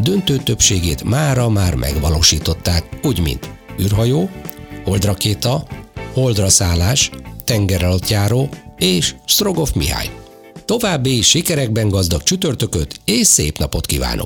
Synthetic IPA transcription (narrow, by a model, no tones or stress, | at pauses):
d̪ø̞nt̪øːt̪ø̞pʃeːɡeːt̪maːɾɒmaːrmʔɛ̰ɡʋɒloːʃiːt̪o̞t̪ːaːkuːɟmḭnt̪yːrɦɒjoːho̞ld̪rɒkeːt̪ɒho̞ld̪rɒsaːlːaːʃt̪ɛŋɡɛɾɒlot̪jaːɾoːeːʃst̪ro̞ɡo̞fmḭɦa̰ːj | t̪o̞vaːbːiʃikɛɾɛɡ̚bɛŋɡɒzd̪ɒkt͡ʃyt̪ørt̪ø̞køt̪eːʃseːpnɒpo̞t̪kiva̰ːno̰k̚